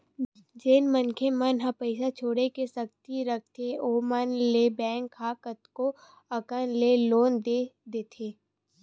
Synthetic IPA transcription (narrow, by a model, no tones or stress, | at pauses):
d͡ʒeːnmənkʰemɐnɦɐ̃pəɪsat͡ʃʰoːɽekesɐk̚t̪iɾək̚ʰt̪ʰeoːmənlebɛ̃ːŋkʰːaːkət̪ko | ɐkənleloːnd̪ed̪eːt̪ʰeː